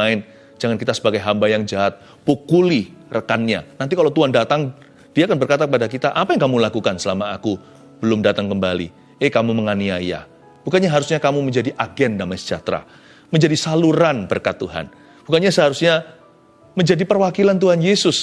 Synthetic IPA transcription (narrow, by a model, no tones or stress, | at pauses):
aɪn | d͡ʒaŋankit̪asəbaɡajɦambajaŋd͡ʒaɦat̪̚ | pukulirəkanɲa̰nant̪̬ikalawt̪uɦandat̪aŋ | d̥iaːkanbərkat̪akəpadakit̪aʔapajaŋkamulakukansəlamaːku | b̥əlʊmdat̪aŋkəmbalḭ | ɛkamuməŋaniaja̰ | b̥ukanɲaɦaɾusɲakamuməɲd͡ʒadiʔaɡɛndamajsə̥d͡ʒa̰t̪ɾa̰ | məɲd͡ʒadisaluɾanbərkat̪ːuɦa̰n | b̥ukanɲasəɦaɾusɲa | məɲd͡ʒadipərwakilant̪̬uɦanjesʊs